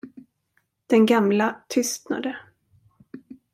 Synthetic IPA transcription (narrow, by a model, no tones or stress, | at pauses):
d̪̥ɛnɡamlat̪ʰʏst̪na̰d̪ə